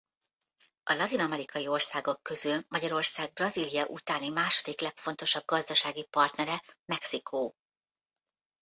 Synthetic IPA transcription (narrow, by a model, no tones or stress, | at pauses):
ʔɒlɒt̪inɒmɛɾikɒjio̞rsaːɡo̞kːø̞zylmɒɟɒɾo̞rsaːɡ̚brɒzilijɒʔut̪aːnimaːʃo̞d̪iklɛkfo̞nt̪o̞ʃɒb̚ɡɒzd̪ɒʃaːɡipɒrt̪nɛɾɛmɛksikʰoː